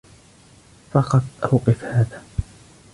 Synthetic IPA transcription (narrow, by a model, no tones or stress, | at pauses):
fɑqɑd̪ʔawqɨfhaːðaː